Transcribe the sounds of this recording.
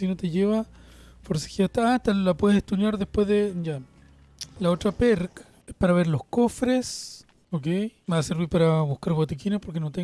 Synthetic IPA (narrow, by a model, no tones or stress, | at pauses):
inot̪eʝeβa | foɾse̥xiaht̪aaet̪alapweeseht̪unjaɾðehpwe̞ððeja | laotɾapeɾkḁ | espaɾaβeɾlo̞hkofɾes | okejmeaseɾβiɾpaɾaβuhkaɾβot̪ikinapo̞ɾk̬enot̪e